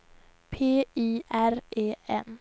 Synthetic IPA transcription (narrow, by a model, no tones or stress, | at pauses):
pʰeːiːʔæɾeːɛ̰n